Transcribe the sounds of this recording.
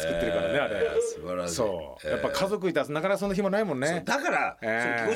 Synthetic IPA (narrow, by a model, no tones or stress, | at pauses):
kɯːeɾɯkaɾane̞aɾḛbaɾɕso̞̰ː | japːakʰazo̞k̬ɯ̟it̪asnakanakasõ̞nːaç̬imonaimõ̞nːed̪akaɾaẽo